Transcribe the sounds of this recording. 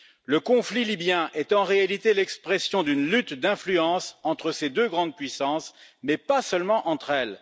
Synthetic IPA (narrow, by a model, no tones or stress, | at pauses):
ləkɔ̃flilibjɛ̃ʔɛt̪ɑ̃ʁealit̪elɛkspχɛsjɔ̃d̪ynlyt̪d̪ɛ̃flyɑ̃sɑ̃t̪χəsed̪øɡʁɑ̃d̪̚pɥisɑ̃smɛpasœlmɑ̃ʔɑ̃t̪χɛl